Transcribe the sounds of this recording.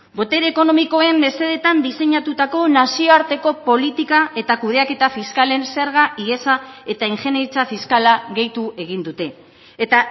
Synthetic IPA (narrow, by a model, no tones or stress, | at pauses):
bo̞t̪e̞ɾeko̞no̞miko̞e̞mbe̞se̞ðe̞t̪and̪ise̞ɲat̪ut̪ako̞nasio̞aɾt̪e̞ko̞po̞lit̪ikae̞t̪akuð̞e̞ake̞t̪afiskale̞nse̞ɾɣ̞aʔie̞sae̞t̪aiŋʝe̞neɾit͡safiskalaɣe̞jt̪ue̞ɣ̞ind̪ut̪e̞ː | t̪a